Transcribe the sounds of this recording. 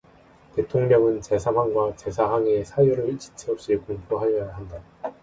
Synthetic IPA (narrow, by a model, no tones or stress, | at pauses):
te̞tʰoŋmjʌŋɯnt͡ɕe̞sʰaɸwaŋɡwat͡ɕe̞sʰaɦaŋesʰajuɾɯɭt͡ɕi̥t͡ɕʰeʌp̚ɕ͈ikoŋpʰoɦajʌjjaɦanda